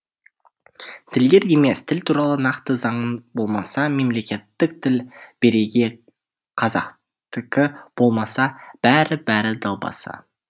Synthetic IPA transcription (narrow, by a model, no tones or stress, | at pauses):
t̪ʰɪld̪e̞ɾd̪eme̞st̪ʰɪlt̪ʰuɾɑlˠənɑqt̪əzɑɴənbo̞lˠmɑsɑme̞mle̞kʲe̞t̪ːɪk̚t̪ʰɪlb̥e̞ɾeɡʲe̞ | qʰɑzɑ̰q | t̪ɪkʲɪb̥o̞lˠmɑsɑb̥æɾɪbæɾɪd̪ɑlˠbɑ̰sɑ̰